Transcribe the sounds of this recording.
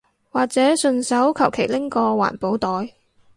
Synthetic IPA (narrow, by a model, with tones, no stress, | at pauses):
waː˨˩k̚t͡sɛː˨˥sɵ˧nsɐ˨˥wkʰɐ˨˩wkʰe˨˩jlɪ˥ŋkɔː˧wa̰ː˨˩npo˨˥wt̪ɔː˨˥j